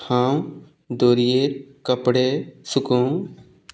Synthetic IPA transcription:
ãːw | d̪oːɾijekəpɽesʊkũː

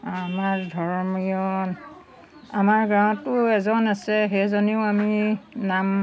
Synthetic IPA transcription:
amaɹdʱɔɹmiɔn | amaɹɡãw̃tʊɛzɔnasɛɦejzɔniʊaminam

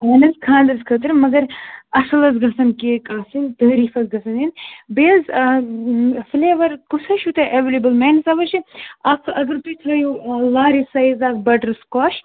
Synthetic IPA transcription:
ɦɐːnɐzkʰãːnd̪ɐɾzkʰɐt̪ɨɾmɐɡɐɾɐsɐlɐzɡɐsɐnkeːkaːsint̪ɐːɾiːfɐzɡɐsɐninbeːz | fleːʋɐɾkusʰɐʃʰut̪ɐʔeʋelibɨlmeːnɐsɐʋɐʃiɐkʰɐɡɐɾt̪it̪ʰɐːjulaːɾisɐːjzaːk̚bɐʈɐɾskɔːʃ

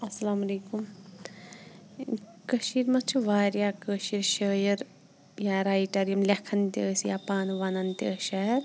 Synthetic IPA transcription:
ɐsɐlaːmɐleːkum | kəʃiːɾmɐt͡ʃʰuʋaːɾjakəːʃiɾʃəːjɐɾ | jaɾajʈɐɾijɐmlɐkʰɐnt̪eːsjapaːnuʋanɐnt̪ʲɐːʃɐɐɾ

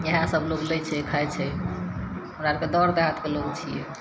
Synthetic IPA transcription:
jəɦãsəbloɡlət͡ʃʰɛkʰaɛt͡ʃʰɛ | ɦunaɾked̪ɔɾd̪ãt̪keloɡt͡ʃʰijɛ̰

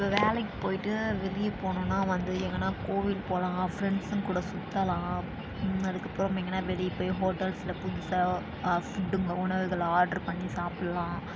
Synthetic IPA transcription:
ɪpːɐʋeːlɛkːɯ̥poːjɪʈːɯʋɪɾɪjɯpoːnõnːaːʋɐnd̪ɯɛŋɡɐnːaːkoːʋɪlpoːlãːfɾɛɳɖsʊ̃kuːɽɐsʊt̪ːɐlãː | ɐðɯkːɐpːɾɔ̃mɛŋɡɐnːaːʋɛlɪpːoːjɦoːʈːɐlslɐpʊðɪsɐ | fʊɖːɯŋɡɐʊɳɐʋɯɣɐɭaːɾɖɐɾpɐɳːisaːpɪɽɐlãː

